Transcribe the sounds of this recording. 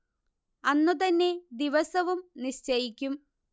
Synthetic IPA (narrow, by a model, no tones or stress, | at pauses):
ɐnːut̪ɐnːe̞d̪iʋɐsɐʋumniɕt͡ɕɐjikʲːum